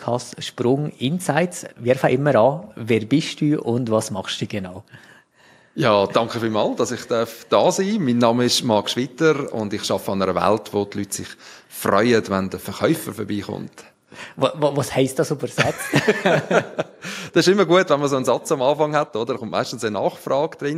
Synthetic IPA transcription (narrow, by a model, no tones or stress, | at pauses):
ɑstʃpɾʊŋɪnsaɪtsvɪɾfəʔɪmːəɾɑːvɛːɾbɪʃd̥uːʔʊndvɑsmɑχʃd̥uːɡ̥ɛnaʊ | jɑːkd̥ɑŋkχəfiːlmɑːld̥ɑsɪχd̥œɾfd̥ɑːsiːmiːnːɑməɪʃmɑkʃʋitəɾʊ̰ndɪχʃɑfəɑnəɾəvɛ̰ltʋotlyːtsɪ̰χ | frɔ̰ʏədʋɛndəfəɾχœʏfəɾfəɾbiːχʊ̰nt | ʋɑvɑshɛɪstd̥ɑsubəɾsɛt͡s | d̥ɑsɪʃɪmːəɾɡuətvɛnməsoənzɑt͡sɑmɑːfɑŋhɛtodəɾχʊntmæ̰ɪʃtn̩sənɑːχfɾɑːɡ̥d̪̥ɾɪn